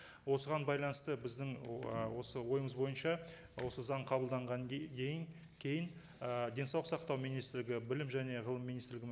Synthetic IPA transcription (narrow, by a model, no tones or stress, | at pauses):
wo̞səʁɑnbɑjlˠɑnəst̪əbɪzd̪ɪŋwo̞səwo̞jəməzbo̞jənʃɑ | wo̞səzɑɴqʰɑbəlˠd̪ɑɴʁɑnkʲʰejɪŋ | kʲʰe̞jɪn | əd̪ʲe̞nsɑwlˠəqsɑqt̪ɑwmijnijst̪ɪɾlɪɡʲɪbɪlɪmʒæne̞ʁəlˠəmːijnist̪ɪɾlɪɡʲɪ